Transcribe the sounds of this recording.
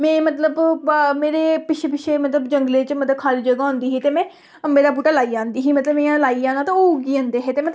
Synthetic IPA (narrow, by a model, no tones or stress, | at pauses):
mɛ̃ːmət̪ləbmeːɾeːpɪʃʰeːpɪʃʰeːmət̪ləbd͡ʒəŋɡlẽːt͡ʃmət̪ləb̚kʰaːɾiːd͡ʒəɡaːɦʊ̃nd̪iːɦiːt̪eːmɛ̃ː | əmbeːd̪aːp̬uːʈaːlaːiːd͡ʒãːnd̪iːɦiːmət̪ləbmẽãːlaːiːd͡ʒãːnaːt̪ãːoɡiːãːnd̪eːɦeːt̪eːmə